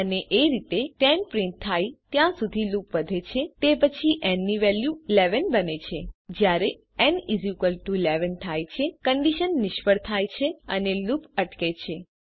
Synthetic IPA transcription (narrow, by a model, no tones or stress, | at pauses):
əneʔeɾit̪et̪ɛnpɾĩnt̪ʰːajt̪jãsud̪ʱilupʋəd̪ʱet͡ʃʰet̪epət͡ʃʰiʔɛnːiʋɛljulɛʋənbənet͡ʃʰed͡ʒjaɾe | ɛnizukəlʈuleʋənt̪ʰajt͡ʃʰekəɳɖiʃənːɪʃpəɽt̪ʰajt͡ʃʰeənelupəʈket͡ʃʰe